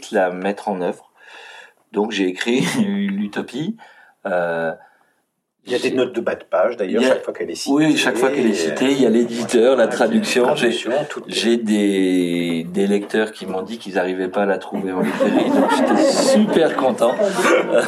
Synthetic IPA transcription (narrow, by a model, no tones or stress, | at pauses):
t̪lamɛt̪χɑ̃nœvʁ | d̪ɔ̃kʒeːkχilyt̪ɔpi | ø | aenɔt̪̚d̪əbad̪paʒd̪ajœʁjaʃʃakfwakɛlɛswiʃakfwakɛlɛsit̪eljaled̪it̪œʁlat̪χad̪yksjɔ̃ʒẽʒed̪e | d̪elɛk̚t̪œʁkʲimɔ̃d̪ikʲilzaʁivɛpaːlat̪χuveɑ̃libʁeʁid̪ɔ̃kʒet̪ɛssypɛʁkɔ̃t̪ɑ̃